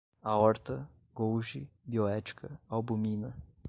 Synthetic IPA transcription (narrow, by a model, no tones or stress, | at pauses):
ɐɔɾt̪ɐ | ɡowʒɪbioɛt͡ʃi̥kʰɐawbumĩnɐ